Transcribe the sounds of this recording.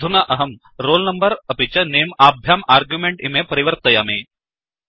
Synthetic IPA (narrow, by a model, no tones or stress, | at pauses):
unaʔɐɦɐm | ɾoːlnɐmbəɾɐpit͡ʃɐneːmaːbʱjaːmaːɾɡjumẽɳʈimepɐɾiʋəɾt̪ɐjaːmiː